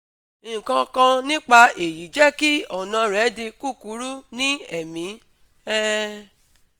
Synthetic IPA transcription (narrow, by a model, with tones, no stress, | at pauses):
kã˧kã˧nĩ˦k͡pa˧e˨ji˨˦d͡ʒɛ˦ki˦ɔ˨nã˧ɾɛ˨˦de˧ku˦˨ku˨˦ɾu˦nĩ˦ɛ˦˨mĩ˨˦ | ɛ˦